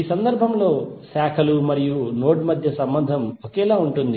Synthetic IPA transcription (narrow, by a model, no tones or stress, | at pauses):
iːsɐnd̪ɐɾbʱɐmlo̞ːsaːkʰɐlumɐɾijuno̞ːʈmɐd̪ʱjɐsɐmbɐnd̪ʱɐmokɛːlaːuɳʈund̪i